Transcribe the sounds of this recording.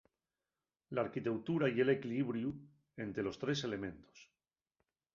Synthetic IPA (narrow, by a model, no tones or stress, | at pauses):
laːɾkit̪e̞wt̪uɾaje̞le̞kiliβɾju | e̞nt̪e̞lo̞st̪ɾe̞se̞le̞mẽ̞nt̪o̥s